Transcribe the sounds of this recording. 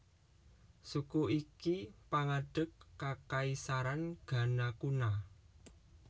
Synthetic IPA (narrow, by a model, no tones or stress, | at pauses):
sukuʔikipaŋaɖ̥ə̤kːakaisaɾanɡ̥a̤nakuna